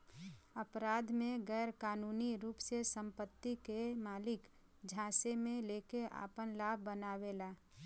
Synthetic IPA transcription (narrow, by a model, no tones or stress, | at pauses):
əpɾaːd̪mẽɡɛɾkaːnuːniɾuːpsesə̃mpət̪ːikemaːlɪk | d͡ʒʱãːsemẽleːkeʔa̰ːpənlaːbʱbənaːwelaː